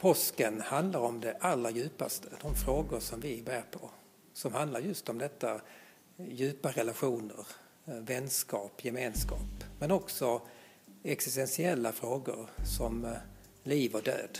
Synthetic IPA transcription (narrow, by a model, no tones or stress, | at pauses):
pʰɔskənhand̪laɾɔmd̪ɛʔalːɾajʉ̟ːpast̪ʰəd̪̥ɔmfɾoːɡʊʂɔmvɪbæːɾpʰɔ | sɔmhand̪laɾjɵst̪ɔmd̪ɛt̪ːa | jʉ̟ːpaɾɛlaɧuːnə̰ɾ | vɛnːskɑːpjɛmeːnskɑ̰ːpmɛnɔksɔ | ɛksɪst̪ɛnsɪɛlːafɾoːɡʊ̰ɾsɔm | liːvɔd̪ø̰ːd̪